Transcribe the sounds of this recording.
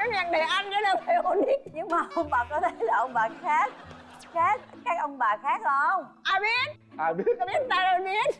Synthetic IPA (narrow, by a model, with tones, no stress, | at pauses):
a˨˦ɲa˨˩ŋɗe˨˩ʔa˧jnkə˨˦laː˨˩fe˨˩ʔo˧nɗi˦˥k̚ɲɨ˧ŋmaː˨˩ʔə˧wŋ͡mɓaː˨˩kɔ˨˦t̪ʰe˨˦jlaː˨˩ʔə˧wŋ͡mɓaː˨˩xaː˦˥k̚ | xaː˦˥k̚ | kaː˦˥k̚ʔə˧wŋ͡mɓaː˨˩xaː˦˥k̚lʔə˧wŋ͡mʔaː˨˩ɓi˦˥ət̚ | ʔaː˨˩ɓi˦˥ət̚ɓi˦˥ə˥t̚taː˨˩zo˨˩ɓi˦˥ət̚